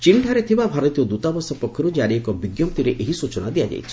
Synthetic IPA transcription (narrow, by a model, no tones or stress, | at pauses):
t͡ʃiɳɖʱaɾet̪ʰibabʱaɾɔt̪ijɔd̪ut̪abɔsɔpɔkʰːɔɾud͡ʒaɾɽiekɔbiɡjɔp̚t̪iɾeʔeɦisut͡ʃɔnad̪iad͡ʒa̰jt͡ʃʰi̥